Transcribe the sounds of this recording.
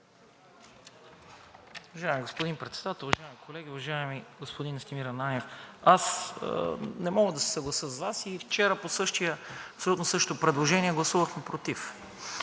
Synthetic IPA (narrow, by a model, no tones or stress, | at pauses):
ʊvɐʒaɛmiɡospod̪inpɾɛt̪sɛd̪at̪ɛlˠʊvɐʒaɛmikʰolɛɡ̟ʲiʊvɐʒaɛmiɡospod̪inst̪imiɾɐnanʲɛfas | nɛmɔɡəd̪ɐsɛ̥sɐɡlˠɐsəzvasift͡ʃɛɾəposɤʃt̪ijəɐpsolʲut̪nosɤʃt̪o̥t̪opɾɛd̪lˠoʒɛniɛɡlˠɐsuvəxmɛpɾot̪if